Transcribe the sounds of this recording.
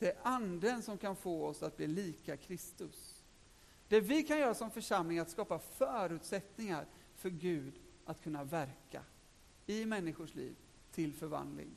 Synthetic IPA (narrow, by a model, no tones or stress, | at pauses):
d̪̥ɛæɾʔand̪ənsɔmkʰanfoːɔsat̪̚bliːliːkakʰɾɪst̪ɵs | d̪̥ɛvɪkʰanjœːɾasɔmfœʂamlɪŋat̪skɑːpafœːɾʉ̟ːt̪sɛt̪nɪŋaɾ | fœɾɡʉ̟ːd̪ | ʔat̪kʰɵnːavæɾka̰ | ɪmɛnːɪɧʊʂlḭːv | t̪ʰɪlfœɾva̰nd̪lɪ̰ŋ